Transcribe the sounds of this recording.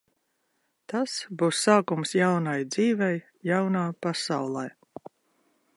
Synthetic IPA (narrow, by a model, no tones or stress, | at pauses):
t̪asbuːsːaːkumsjawnajd̪ziːvɛj | jawnaːpasawlˠaj